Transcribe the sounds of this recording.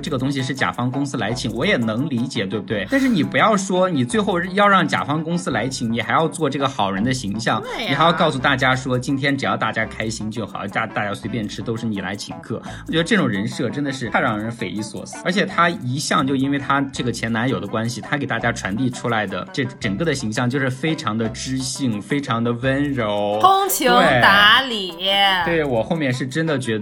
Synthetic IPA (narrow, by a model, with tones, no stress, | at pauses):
ʈ͡ʂɤ˥˩ɡə˩t̪̬ʊ˥ŋɕ̬i˧ʂ̬ɻ̩˥˩t͡ɕja̰˨˩fɑ˥ŋkʊ˥ŋsɹ̩˥la˧˥ɪt͡ɕʰi˧˩ŋwɔ˧˥jɛ˨˩nɤ˧˥ŋli˧˥t͡ɕjɛ̰˨˩t̪we˥˧bu˧˩t̪we˥˩ɪt̪a˥˧nʂɻ̩˥˩ni˨˩pu˧˥jɑ˥˩ʊʂwɔ˥ni˨˩t͡swe˥˧ɪxo˥˧ʊ˥˧jɑ˥˧ʊɻɑ˥˩ŋt͡ɕja̰˨˩fɑ˥ŋkʊ˥ŋsɹ̩˥la˧˥ɪt͡ɕʰi˧˩ŋni˨˩xa˧˥ɪjɑ˥˧ʊt͡swɔ˥˧ʈ͡ʂɤ˥˩ɡə˩xɑ˨˩ʊɻə˧˥nd̪ə˧ɕi˧˥ŋɕjɑ˥˩ŋni˨˩xa˧˥jʊkɑ˥˩ʊsu˧˩t̪a˥˩t͡ɕja˥ʂwɔ˥t͡ɕi˥nt̪ʰjɛ˥nʈ͡ʂɻ̩˨˩jɑ˥˧ʊt̪a˥˩t͡ɕja˥kʰa˥ɪɕi˥ŋt͡ɕjo˥˩ʊxɑ̰˨˩˦t̪a˥˧˩t̪a˥˩t͡ɕja˥swe˧˥ɪpjɛ˥˩nʈ͡ʂʰɻ̩˥t̪o˥ʊʂɻ̩˥˩ni˨˩la̰˧˥ɪt͡ɕʰi˧˩ŋkʰɤ˥˩wɔ˨˩t͡ɕjɛ˧˥d̪ə˧ʈ͡ʂɤ˥˩ʈ͡ʂʊ˨˩ɻə˧˥nʂɤ˥˩ʈ͡ʂə˥nd̪ə˨ʂɻ̩ʰ˥˩a˥ɻɑ˥˩ŋɻə˧˥nfe˨˩ɪi˥˩swɔ̰˨˩˦sə˞˧˥t͡ɕʰjɛ˨˩t̪ʰa˥i˧˥ɕjɑ˥˧ŋt͡ɕjo˥˧ʂ̩˥˧i˥nwe˥˩ɪt̪ʰa˥ʈ͡ʂɤ˥˩ɡə˩t͡ɕʰjɛ˧˥na˧˥njo˨˩ʊd̪ə˦kwa˥nɕi˨˩t̪ʰa˥ke˨˩ɪt̪a˥˩t͡ɕja˥ʈ͡ʂʰwa˧˥nt̪i˥˩ʈ͡ʂʰu˥la˧˥ɪd̪ə̰˧ʈ͡ʂɤ˥˩ʈ͡ʂə˨˩kɤ˥˩d̪ə˩ɕi˧˥ŋɕ̬jɑ˥˧ŋt͡ɕjo˥˧ʊʂɻ̩˥˩fe˥ɪʈ͡ʂʰɑ˧˥ŋd̪ə˧ʈ͡ʂɻ̩˥ɕi˥˩ŋfe˥ɪʈ͡ʂʰɑ˧˥ŋd̪ə˧wə˥nɻo˧˥ʊkʊ˥ŋt͡ɕʰi˧˥we˥˩t̪a˧˥li˨˩˥t̪we˥˩ɪwɔ˨˩xo˥˧ʊmjɛ˥˩nʂɻ̩˥˩ʈ͡ʂə˥nd̪ə˨t͡ɕɥɛ˧˥